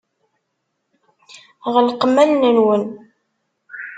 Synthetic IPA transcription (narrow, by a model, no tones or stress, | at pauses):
ʁlqəmːælnənwən